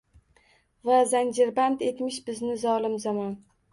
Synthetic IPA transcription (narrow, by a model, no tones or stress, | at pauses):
vazand͡ʒɪɾband̪e̞k̪ʲmɪʃbɪznɪzɒlˠɪmzamɒn